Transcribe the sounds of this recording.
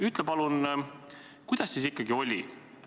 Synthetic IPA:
yt̪ˑlepɑlun | kujd̪̥ɑsːis̬ikːˑɑɡio̞lʲḭ

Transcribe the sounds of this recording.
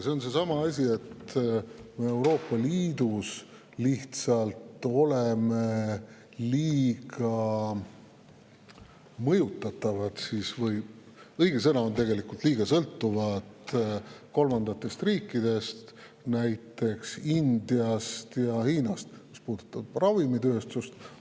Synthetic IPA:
se̞o̞nse̞sɑmɑɑsʲie̞t̪ | me̞e̞wɾo̞ːpˑːɑliːd̪us | liht̪sɑlt̪o̞leme̞ | liːɡɑ | mɤjut̪ːˑɑt̪ːˑɑvɑt̪sisvɤj | ɤjɡ̥e̞s̬ɤnɑo̞nt̪e̞ɡe̞likult̪liːɡ̥ɑsɤlt̪ːuvɑt̪ | ko̞lmɑnd̪ɑt̪ːˑe̞st̪riːkːˑid̪̥e̞st̪ | næjt̪ːˑe̞ksind̪̥iɑst̪jɑhiːnɑst̪̚mispuːd̪̥ut̪ːˑɑb̥rɑvimit̪øːst̪ust̪

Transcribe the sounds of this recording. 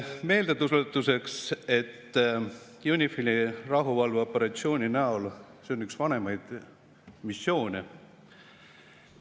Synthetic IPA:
me̞ːld̪et̪ust̪ːˑuse̞kse̞t̪ː | junʲifilʲirɑɦuvɑlveo̞pːˑe̞ɾɑt̪sio̞ːnʲinæol | se̞onyksvɑne̞mɑjd̪̥ | misːjo̞ːnʲe

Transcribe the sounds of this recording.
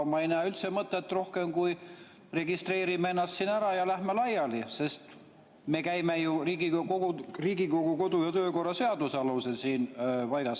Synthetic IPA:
mɑejnæːylt̪semɤt̪ːˑet̪ːro̞hke̞mkuj | re̞ɡist̪re̞ːɾimeenːɑst̪siːnæɾɑjɑlæhmelɑjɑlise̞st̪ | me̞kæjme̞juriːɡikoɡ̥uriːɡiko̞ɡ̥uko̞d̪̥ujɑt̪ø̞ːko̞rːɑse̞ɑd̪̥useɑluse̞siːnpɑjɡ̥ɑs

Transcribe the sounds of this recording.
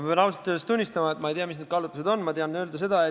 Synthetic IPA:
penɑwust̪ɑ̥t̪ːˑusest̪unʲːist̪ɑmɑet̪mɑejt̪eɑmisned̪̥kɑlːut̪ːˑuse̞d̪o̞nːmɑt̪eɑnːøld̪es̬e̞d̪̥ɑe

